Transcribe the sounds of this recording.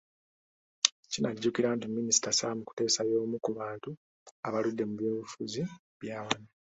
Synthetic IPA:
cinaɟːukiɾaːntimːinisi̥tasalamuku̥te̞ːsajo̞ːmukuβaːntu | aβaludːe̞muβjoːβufuzi | βjaːwana

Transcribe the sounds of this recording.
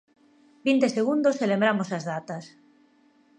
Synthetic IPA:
bint̪eseɣ̞und̪oselembɾamosazðat̪as

